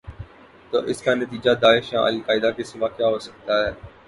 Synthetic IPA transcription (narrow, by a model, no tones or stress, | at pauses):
t̪o̰ːʔɪskanət̪iːd͡ʒad̪aːɪʃjã̰ːʔə̰lkaːɪd̪akesɪʋakjaːɦoːsə̥k̚t̪aɦɛː